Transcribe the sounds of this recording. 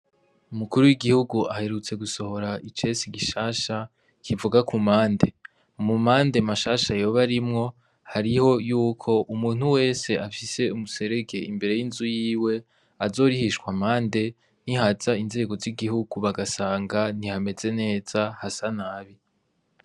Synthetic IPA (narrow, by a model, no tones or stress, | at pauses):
umukuɾuwiɡihuɡuʔahe̞ɾut͡se̞ɡuso̞ho̞ɾaʔit͡ʃe̞siɡiʃaːʃa | kʰivuɡakumaːnde̞ | umumaːnde̞maʃaːʃajo̞ːβaɾimŋo̞ | haɾiho̞juːkʰo̞ʔumuːn̥huwe̞ːse̞ʔafise̞umuse̞ɾe̞ɡe̞imbe̞ɾe̞jinzujiːwe̞ | azo̞ːɾihiʃkwamaːnde̞ | n̥ihazainze̞ːɡo̞ziɡihuɡ̥uβaɡasaːŋɡanihame̞ze̞ne̞ːz̥ahasanaːβi